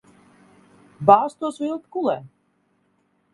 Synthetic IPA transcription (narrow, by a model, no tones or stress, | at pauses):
baːst̪uɔsvilˠt̪kulˠɛː